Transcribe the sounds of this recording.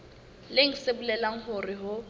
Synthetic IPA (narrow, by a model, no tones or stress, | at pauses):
leŋ̩sebulɛlaŋ̩ɦʊrɪɦʊ